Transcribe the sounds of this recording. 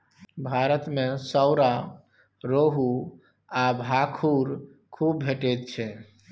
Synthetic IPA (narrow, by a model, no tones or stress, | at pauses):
bʱaɾət̪mesəʊɾa | ɾoɦu | abʱakʰuɾ | kʰubbʱeʈet̪̚t͡ʃʰɛ